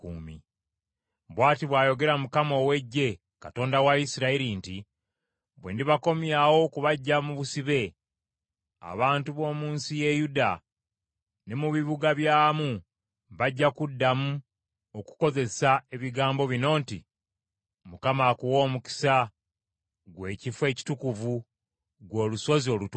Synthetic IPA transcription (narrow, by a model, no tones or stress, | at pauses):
kuːmḭ | βwaːtiβwaːjo̞ɡe̞ɾamukamo̞ːwe̞ɟːe̞ | kato̞ːndawaisiɾaiɾinti | βwe̞̰ːndiβako̞mjawo̞kuβaɟːamuβusiβe̞ | a̰βaːntuβo̞ːmuːnsije̞juda | ne̞muβiβuɡaβjaːmu | βaɟːakudːamu | o̞ku̥ko̞ze̞sae̞βiɡaːmbo̞βino̞ːnti | mukamakuwo̞ːmuki̥sa | ɡwe̞ːcifwe̞ːci̥tukuvu | ɡwo̞ːluso̞zio̞lutu